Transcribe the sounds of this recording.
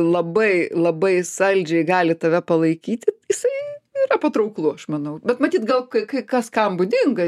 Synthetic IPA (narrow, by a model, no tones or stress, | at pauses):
lˠɐbɐɪlˠɐbɐɪsɐlʲd͡ʒʲɛɪɡɑːlʲɪt̪ɐʋʲɛpɐlˠɐɪkʲiːt̪ʲɪjɪsɐɪiːɾɐpɐt̪ɾɐʊklˠuɐʃmɐnɐʊbʲɛt̪mɐt̪ʲiːt̪ɡɐlˠkɐɪkɐɪkɐskɐmbʊd̪ʲɪŋɡɐ